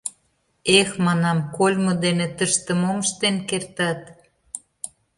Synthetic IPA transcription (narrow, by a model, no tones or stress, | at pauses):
exmɑnɑmkolʲmod̪enet̪əʃt̪əmoməʃt̪enkert̪ɑt̪